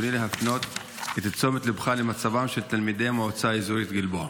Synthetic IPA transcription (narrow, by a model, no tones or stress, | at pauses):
onileɦafno̞t̪ | et̪at͡so̞met̪lebχalemat͡savamʃe̞lt̪almid̪ejmoot͡saezuit̪ɡilboa